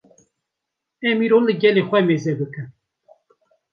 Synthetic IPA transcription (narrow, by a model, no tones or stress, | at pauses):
ɛmiːɾollɨɡɛlexʷɛmezɛbɨkɨn